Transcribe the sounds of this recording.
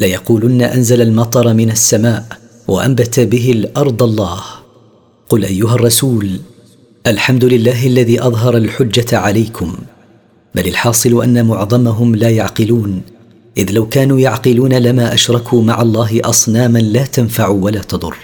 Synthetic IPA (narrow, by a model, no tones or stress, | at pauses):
lajɑquːlʊnːaʔanzalalmɑt̪ˤɑɾˤmɪnasːamaːʔ | wʔa̰ʔa̰mbat̪abɪɦɪlʔɑɾˤd̪ˤɑlˤːɑːh | qʊlʔajːʊɦarˤːɑsuːl | ʔalħamd̪ʊlɪlːaːɦalːaðiːʔɑðˤɦɑɾˤalħʊd͡ʒːatʕalajkʰʊm | balɪlħɑːsˤɨlʔa̰nːamʊʕðˤɑmaɦʊmlaːjaʕqɪluːn | ʔɪðlawkaːnuːjaʕqɪluːnalamaːʔaʃɾˤɑkʰuːmaʕɑlˤːɑːɦɪʔɑsˤnaːmanlaːt̪anfaʕuːwalaːt̪ɑd̪ˤʊ̰rˤː